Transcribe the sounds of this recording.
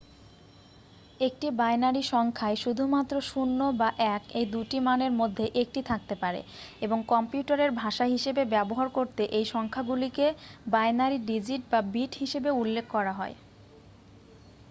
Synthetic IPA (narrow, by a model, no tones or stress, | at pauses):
ek̚ʈibajnaɾiʃɔŋkʰaeʃud̪ʱumat̪ːɾoʃunːobaʔɛkejd̪uʈimaneɾmod̪ʱːeʔek̚ʈit̪ʰak̚t̪epaɾḛ | eboŋkɔmpjuʈaɾeɾbʱaʃaɦiʃebebɛboɦaɾkoɾt̪eʔejʃɔŋkʰaɡulikebajnaɾiɖid͡ʑiʈ̚babiʈɦiʃebeulːekʰːɔɾaɦɔe